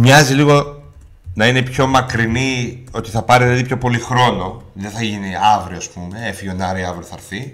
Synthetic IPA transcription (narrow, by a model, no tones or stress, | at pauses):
mɲɐziliɣo̞ | nɐine̞pço̞mɐkɾinio̞t̪i̥θɐpɐɾiðelɐðipço̞po̞lixɾo̞no̞ðeθɐʝiniɐvɾioɐspume̞efiʝonɐɾiɐvɾioθɐɾθi